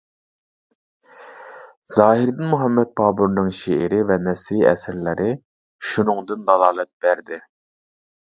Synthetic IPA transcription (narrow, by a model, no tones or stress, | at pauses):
z̥ɑːɦɪɾd̪ɪnmuɦɛmːɛt̪̚bʰɑːbuɾnɨŋʃeʔɪɾɪvɛnɛsɾiːɛ̰sɪɾlɪɾʔɪ | ʃunɨŋd̪ɨnd̪ɑlˠɑːlˠɛt̪̚b̥æɾd̪ɪ